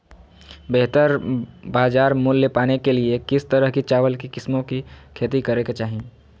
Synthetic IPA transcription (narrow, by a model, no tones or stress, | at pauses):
beɦt̪əɾbaːd͡ʒaːɾmulːepaːnekeliekɪst̪əɾəɦkit͡ʃaːʋəlkikɪsmõkikʰeːt̪ikɐɾeket͡ʃaːɦĩ